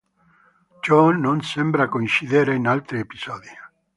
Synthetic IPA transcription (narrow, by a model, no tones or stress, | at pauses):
t͡ʃɔnonsɛmbɾakoint͡ʃiðeɾeinalt̪ɾiepiz̥ɔːd̪i